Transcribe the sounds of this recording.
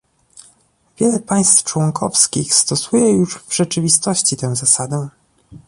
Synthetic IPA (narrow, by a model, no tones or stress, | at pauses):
vʲjɛlɛpaj̃st̪ft͡ʂwɔŋkʰɔ̰fskʲixst̪ɔsujɛjuʂvʐɛt͡ʂɘvʲist̪ɔɕt͡ɕit̪ɛw̃zasad̪ɛ